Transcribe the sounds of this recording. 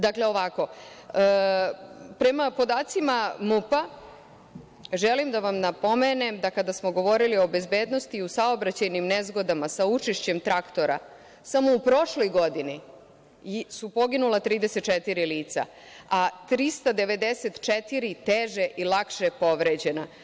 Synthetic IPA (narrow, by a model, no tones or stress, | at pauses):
d̪akle̞o̞ʋako̞ə | pɾe̞mapo̞d̪aːt̪simamupa | ʒelimd̪aʋamnapo̞mene̞md̪akad̪asmo̞ɡo̞ʋo̞ɾilio̞be̞zbeːd̪no̞st̪iusaobɾat͡ɕajnimnezɡo̞d̪amasaut͡ʂeʃt͡ɕemt̪ɾakt̪o̞ɾa̰ | samo̞upɾo̞ʃlo̞jɡo̞d̪ini | supo̞ɡinulat̪ɾiːd̪e̞set̪t͡ʃet̪iɾiliːt̪sa̰ | at̪ɾist̪ad̪e̞ʋe̞d̪ese̞t̪t͡ʃet̪iɾit̪eːʒe̞ʔilakʃepo̞ʋɾed͡ʑe̞na